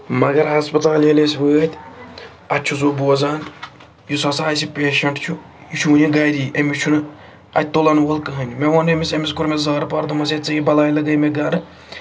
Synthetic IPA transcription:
mɐɡɐɾɦɐspɐt̪aːlelesiʋəːt̪ʲ | ɐtʲːt͡ʃʰuzoːboːzaːn | jusɐsaːsipʲeːʃɐɳʈt͡ʃʰu | jut͡ʃʰuniɡɐjɾiːʔemit͡ʃʰunɨ | ɐ̰t̪olɐnwɐlkɨɦɐnʲimeʋɐnemisemiskuɾmezaːɾpɐɾd̪umɐsʲet͡sɐjibɐlaːjlɐɡɐjmeɡɐɾɨ

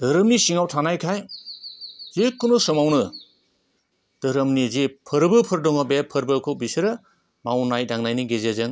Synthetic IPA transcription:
d̥ɐɾɯmnisiŋawtʰanajkʰaj | zekːɯnɔsɯmawnɯ | d̥ɯɾɯmnizepʰɯɾbɯpʰɯɾdɔŋabepʰɯɾbɯkʰɯwbisɯɾɯ | mawnajdaŋnajniɡezezɯŋ

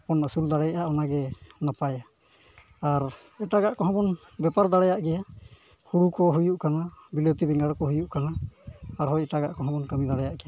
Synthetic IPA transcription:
ɔnəsuld̪aɽɛjʔaʔɔnaɡɛnapaja | aɾ | ɛʈaɡaʔkɔɦɔ̃bɔn | bɛpaɾd̪aɽɛjaʔɡɛja | huɽukɔɦujuʔkanabilət̪ibɛŋɡaɽkɔɦujuʔkanaː | ɾɦɔjɛʈaɡa̰ʔkɔɦɔ̃bɔnkəmid̪aɽɛjaʔɡɛja

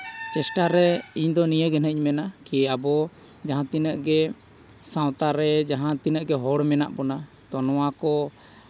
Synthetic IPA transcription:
t͡ʃɛsʈaɾɛiɲd̪ɔnijəɡɛnəɲmɛnakiabɔ | d͡ʒaɦãt̪inəʔɡɛ | sãw̃t̪aɾɛd͡ʒaɦãt̪inəʔɡɛɦɔɽmɛna̰ʔbɔna | t̪ɔnɔwakɔ

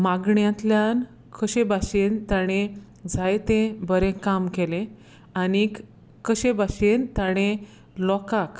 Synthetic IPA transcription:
maɡɳjãt̪ljan | kʰəɕebaɕent̪aɽ̃e | d͡zʱajt̪ẽbəɾẽkamkelẽ | anik | kːəɕebaɕent̪aɽ̃ẽ | lɔkak

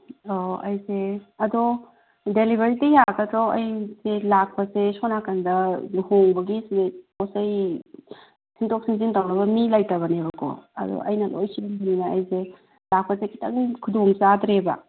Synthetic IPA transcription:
oɐjseɐdɔ | delibʱɐɾitijaɡɐtɾoɐ̰jselak̚pɐsesonakʰandɐnhoŋbɐɡisekosaj | sʰintok̚sinzintawnɐbɐmilajtɐβɐnebɐko̰ɐ̰dɔ̰ʔɐ̰jnɐlo̰jsibanbʰaninaɐjse | lak̚pɐsekʰi̥tɐŋkʰudoŋsadɾebɐ̰

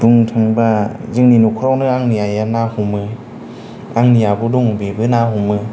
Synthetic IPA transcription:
d̥uŋtʰɯŋbazɯŋninukʰɯɾawnɯaŋnijajanahumɯ | aŋnijabuduŋbebɯnaɦumɯ

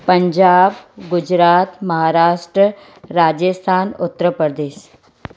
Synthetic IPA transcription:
pɐɲd͡ʒaːbɡʊd͡ʒɾaːt̪mɐɦaːɾaːʃʈɾə | ɾaːd͡ʒəst̪ʰaːnʊt̪ːɾəpəɾd̪eːʃ

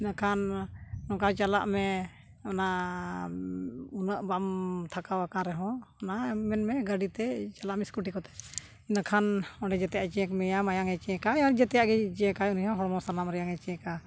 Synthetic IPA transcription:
inakʰanːɔ̃kat͡ʃala̰ʔmɛ | ɔna | unəʔbamt̪ʰakawakaɾɛɦɔ̃ɔnamɛnmɛɡaɖit̪ɛt͡ʃalaʔmɛskuʈikɔt̪ɛ̥ | inakʰanɔɖɛd͡ʒɛt̪ɛjaʔt͡ʃɛɛkmɛjamajaŋɛt͡ʃɛɛ̃kajɔ̃d͡ʒɛt̪ɛjaʔɡɛd͡ʒɛɛkaunɦɔ̃ɦɔɽmɔsalamɾɛjaŋɛt͡ʃɛɛ̃ka

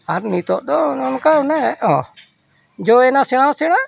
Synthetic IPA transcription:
aɾnĩːt̪oːd̪oːʊnkaːʊnɛõː | d͡ʒoːeːnãːsɪɽ̃ãːsɪɽãː

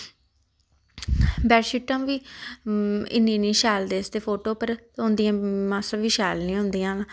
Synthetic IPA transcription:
bɛːɾʃiːʈːə̃ːmʋiː | ɪ̰nːiːnĩːʃaːld̪eːst̪eːpʰoːʈoːpəɾt̪ʊ̃nd̪ijãːmaːsəʋiːʃaːlnĩːɦʊ̃nd̪iːãː

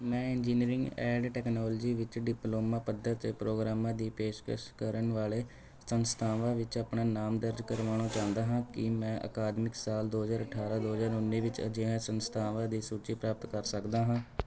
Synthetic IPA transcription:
mɛ̃ːɪɲd͡ʒiːniɾɪ̃ŋɡɛːɖʈɛːknɔːld͡ʒiːʋɪt͡ʃɖɪploːmãːpəd̪ːəɾt̪ːpɾoːɡɾaːmãːd̪iːpeːʃkə̰ʃkəɾəɳʋaːleː | sənst̪ʰaːʋãːʋɪt͡ʃaːpɳaːnaːmd̪əɾd͡ʒkəɾʋaːɽ̃õːt͡ʃãːnd̪aːɦãːkɪmɛ̃ːʔə̰kaːd̪mɪksaːld̪oːɦəzaːɾəʈʰaːɾaːd̪oːɦəzaːɾʊnːiːʋɪt͡ʃə̰d͡ʒɪãːsənst̪ʰaːʋãːd̪iːsuːt͡ʃiːpɾaːp̚ət̪kəɾsəkd̪aːɦãː

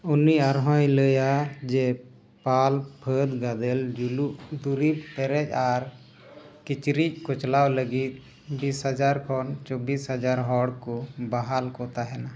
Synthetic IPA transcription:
uniaɾɦɔjləjad͡ʒɛ | palpʰəd̪ɡad̪ɛld͡ʒuluʔd̪uɾib̚pɛɾɛc̚aɾ | kit͡ʃɾic̚kɔt͡ʃlawləɡit̪̚ | bishad͡ʒaɾkʰɔnt͡ʃɔbishad͡ʒaɾɦɔɽkɔbaɦalkɔt̪aɦɛna

